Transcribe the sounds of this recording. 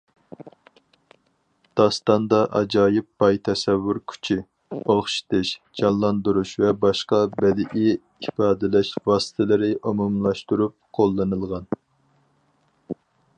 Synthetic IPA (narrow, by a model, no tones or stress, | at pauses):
d̪̥ɑst̪ɑnd̪ɑʔɑ̰d͡ʒɑːjɪp̚b̥ɑjt̪ʰɛsɛvːuɾkʲʰy̥t͡ʃʰi | oχʃi̥t̪ʰɨʃd͡ʒɑlˠlːˠɑnd̪uɾuʃvɛbɑʃqɑbɛd̪ɪʔɪ | ipɑːd̪ɪlɛʃvɑːsɨ̥t̪ʰɪlɪɾɪʔumumlˠɑʃt̪uɾup̚qʰolˠːɨnɨlˠʁɑn